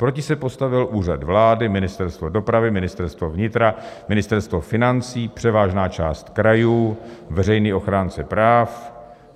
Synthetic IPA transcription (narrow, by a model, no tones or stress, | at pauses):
pɾo̞cɪsɛpo̞st̪avɪlʔuːrad̪vlaːdɪmɪnɪst̪ɛɾst̪vo̞do̞pɾavɪmɪnɪst̪ɛɾst̪vovɲɪt̪ɾamɪnɪst̪ɛɾst̪vo̞fɪnant͡siːpr̥ɛvaːʒnaːt͡ʃaːst̪kɾajuːvɛrɛjniːʔo̞xɾaːnt͡sɛpɾaːf